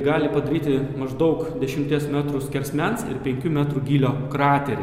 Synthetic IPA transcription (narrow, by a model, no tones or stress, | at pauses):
ɡɑːlʲɪpɐd̪ɐɾʲiːt̪ʲɪmɐʒd̪ɒʊkd̪ʲɛʃʲɪmʲt̪ʲiɛsmʲæːt̪ɾʊsʲkʲɛɾʲsʲmʲɛnsɪ̰ɾpʲɛŋʲkʲumʲæːt̪ɾuɡʲiːlʲoːkɾɑːt̪ʲɛɾʲ